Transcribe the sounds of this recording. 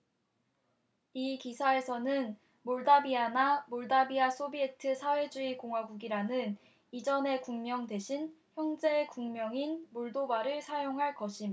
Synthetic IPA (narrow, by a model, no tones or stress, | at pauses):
ikisʰae̞sʰʌnɯn | moɭdabianamoɭdabias͈ʰobietʰɯsʰawe̞d͡ʑuikoŋɦwaɡuɡiɾanɯn | id͡ʑʌne̞kuŋmjʌŋde̞ɕʰinçjʌŋd͡ʑe̞kuŋmjʌŋinmoɭdobaɾɯɭsʰajoŋɦaɭkʌɕʰim